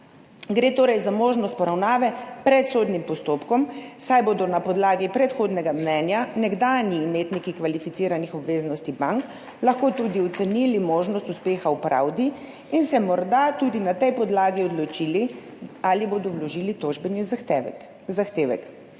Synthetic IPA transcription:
ɡɾeːt̪oːɾɛjzamoːʒnɔst̪̚pɔɾawnaːʋɛpɾɛt̪soːd̪nimpɔst̪oːpkɔmsajboːd̪ɔnapɔd̪laːɡipɾɛt̪xoːd̪nɛɡamnɛnjanɛɡd̪aːniːmeːt̪nikikʋalifit̪siːɾanixɔbʋeːznɔst̪ibaŋk | lɐxkoːt̪ud̪iɔt̪sɛnilimoːʒnɔst̪uspeːxaupɾa̰wd̪i | insɛmɔɾd̪at̪ud̪inat̪ɛjpɔd̪laːɡiɔd̪lɔt͡ʃiːli | aliboːd̪ɔwlɔʒiːlit̪oʒbɛni | zaxt̪eːʋɛ̰k

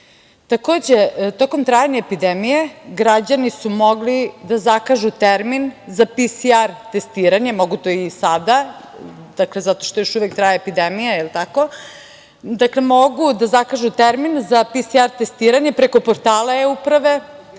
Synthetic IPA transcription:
t̪ako̞ːd͡ʑet̪o̞ko̞mt̪ɾajaɲeːpid̪emije̞ɡɾad͡ʑanisumo̞ɡlid̪azakaʒut̪eɾminzapisiaɾt̪est̪iːɾaɲemo̞ɡut̪o̞isad̪a | d̪aklezat̪oʃt̪o̞joʃuʋek̚t̪ɾajaepid̪emijailt̪ako̞ | d̪akle̞mo̞ɡud̪azakaʒut̪eɾminzapisiaɾt̪est̪iːɾaɲepɾeko̞poɾt̪aːlaeupɾaʋe̞

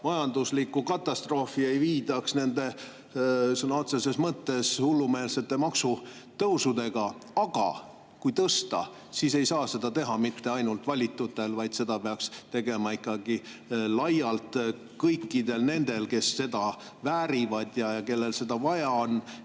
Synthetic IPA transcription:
mɑjɑnd̪uslikːukɑt̪ːˑɑst̪ro̞ːfie̞jviːd̪̥ɑksne̞nd̪e̞ | sɤnːɑo̞t̪se̞se̞smɤt̪ːe̞shulːume̞ːlse̞t̪ːemɑksu | t̪ɤwsud̪e̞ɡ̥ɑɑɡ̥ɑ̰ | kujt̪ɤst̪ɑ | sise̞jsɑːse̞d̪ɑt̪e̞ɦɑmit̪ːe̞ɑjnult̪vɑlʲit̪ːˑut̪ːˑe̞lvɑjd̪̥se̞d̪̥ɑpeɑkst̪e̞ɡe̞mɑikːˑɑɡilɑjɑlt̪ | kɤjkːˑid̪e̞lne̞nd̪̥e̞lke̞sːe̞d̪ɑ | væːɾivɑd̪̥jɑjɑke̞lːe̞lse̞d̪ɑvɑjɑon

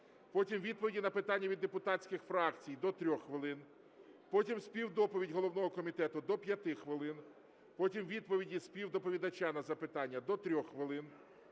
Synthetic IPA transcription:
pɔtʲimʋʲid̪̚pɔʋʲidʲinɐpɪt̪ɑnʲːɐʋʲid̪ːepʊt̪ɑt͡sʲkɪxfɾɑkt͡sʲijd̪ɔt̪ɾʲɔxxʋɪlˠɪn | pɔtʲimspʲiwd̪ɔpɔʋʲidʲɦɔlˠɔwnɔɦɔkɔmʲit̪ɛt̪ʊd̪ɔpʲjɐt̪ɪxʋɪlˠɪn | pɔtʲimʋʲid̪̚pɔʋʲidʲispʲiwd̪ɔpɔʋʲid̪ɐt͡ʃanɐzɐpɪt̪ɑnʲːɐd̪ɔt̪ɾʲɔxxʋɪlˠɪn

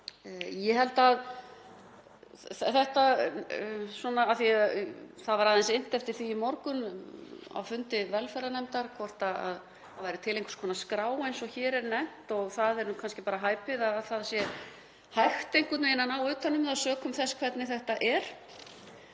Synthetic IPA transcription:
jɛɦɛlt̪að | θθɛht̪a | swɔnaːθiaθaðvaɾaðɛnsɪn̥t̪ɛft̪ɪɾ̥θiimɔɾkʏn | a̰wfʏnt̪ɪvɛlfɛɾanɛmt̪aɾkʰvɔr̥t̪aa̰ð | avajɾɪt̪ʰɪlejŋkʏ̥skʰɔnaskɾaːwejnsɔçɛːɾɛɾnɛm̥t̪ɔɣθaðɛɾnukʰanscɪpaːɾaɦaːjpɪðaððθaðsjɛ | hajxt̪ejŋ̥kʏt̪nejnːanawʏːt̪ʰːanːʏmɛðasœːkʏmθɛskʰvɛt̪nɪθɛht̪aʔɛɾ̥

